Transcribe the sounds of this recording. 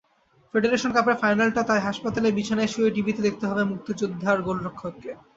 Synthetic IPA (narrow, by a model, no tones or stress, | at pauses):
feɖeɾeʃonkapefajnalʈat̪ajɦaʃpat̪alebit͡ɕʰanajʃiojɖibit̪ed̪ek̚ʰt̪eɦɔbemuk̚t̪od͡ʑud̪ʱːaɾɡolɾokʰːokːe